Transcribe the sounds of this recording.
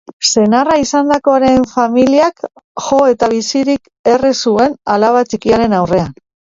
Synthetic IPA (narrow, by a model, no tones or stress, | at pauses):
se̞naraisand̪ako̞aɾe̞ɱfamiliak | ʝo̞e̞t̪aβisiɾik | e̞risue̞nalaβat͡sikiaɾe̞nawre̞an